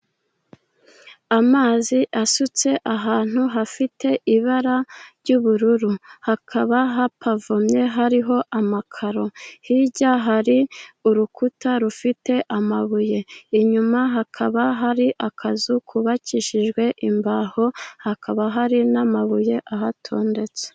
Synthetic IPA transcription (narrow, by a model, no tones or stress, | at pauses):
amaːziʔasut͡se̞ʔaɦaːn̥huɦafitʰe̞ʔiβaɾaɾɟuːβuɾuɾuhakʰaβaɦapʰavomɲe̞ɦaɾiɦo̞ʔamakʰaɾo̞hiɟaɦaɾiuɾukutaɾufite̞ʔamaβuje̞iɲumaɦakʰaβaɦaɾiʔakʰazukʰuβaciʃiʒɡwe̞ʔimbaːho̞hakʰaβaɦaɾinamaβuje̞ʔaɦatʰo̞ːnde̞t͡se̥